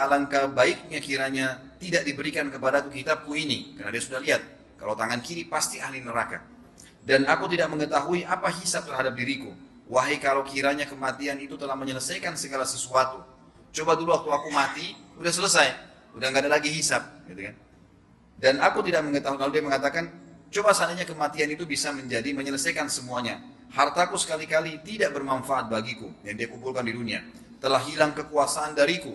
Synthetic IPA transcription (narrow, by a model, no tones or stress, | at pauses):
alankabaɪk̚ɲakiɾaɲat̪idak̚dibəɾikankəpadakukit̪apuinikəɾnadiasudahliɦat̪̚ | kalawt̪aŋankiɾipast̪iahlinəɾaka̰ | danakut̪idaʔ̚məŋət̪aɦuiʔapaɦisap̚t̪ərɦadap̚diɾikṵ | waɦekalowkiɾaɲakəmat̪ianit̪ut̪əlahməɲələsajkansəɡalasəsuat̪u | t͡ʃobaduluwak̚t̪uakumat̪iudahsələsaj | udaŋɡadalaɡiɦisap̚ɡit̪ukan | danakut̪idak̚məŋət̪aɦuklalodiaməŋat̪akant͡ʃobasanaɲakəmat̪ianit̪ubisaməɲd͡ʒadiməɲələsajkansəmuaɲa̰ | hart̪akusə̥kalikalit̪idaʔ̚bərmanfaat̪̚baɡikujaŋdiakumbpulkandidunia̰ | t̪əlahɦilaŋkəkuasaʔːndaɾiku